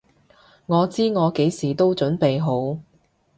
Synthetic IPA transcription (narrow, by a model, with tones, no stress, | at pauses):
ŋɔː˨˧t͡siː˥ŋɔː˨˧ke˨˥jsiː˨˩t̪o˥wt͡ʃɵ˨˥npe˨jɦo˨˥w